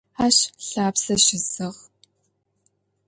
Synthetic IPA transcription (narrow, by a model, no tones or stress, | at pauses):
aːɕɬaːpsɐʃɪzɨʁ